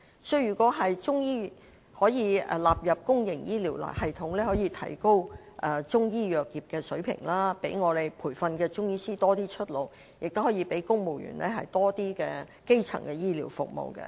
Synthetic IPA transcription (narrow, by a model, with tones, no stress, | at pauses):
sɵ˧ɥjyː˨˩kʷɔː˨˥ɦɐ˨jt͡ʃʊ˥ŋjiː˥˨ | hɔː˨˥jḭː˨˧laː˨p̚jɐ˨p̚kʊ˥ŋjɪ˨˩ŋjiː˥liː˨˩wlɐ̰ː˨˩hɐ˨jt̪ʰʊ˨˥ŋlɛː˥hɔː˨˥jiː˨˧t̪ʰɐ̰˨˩jko˥w | ʔɛ˨˧t͡ʃʊ˥ŋjiː˥jœː˨k̚jiː˨˩p̚kɛː˧sɵ˨˥ɥpʰɪ̰˨˩ŋlaː˥pe˨˥jŋɔː˨˧le˨jpʰuː˨˩jfɐ˧nkɛː˧t͡ʃʊ˥ŋjiː˥siː˥t̪ɔː˥t̪iː˥t͡ʃʰɵ˥t̚lo˨w | jɪ˨k̚t̪o˥hɔː˨˥jiː˨˧pe˨˥jkʊ˥ŋmo˨˩wjy̰ː˨˩nlɛː˥ɦɐ̰˨jt̪ɔː˥t̪iː˥kɛː˧ | ke˥jt͡sʰɐ̰˨˩ŋkɛː˧jiː˥liː˨˩wfʊ̰˨k̚mo̰˨wkɛ̰˧˥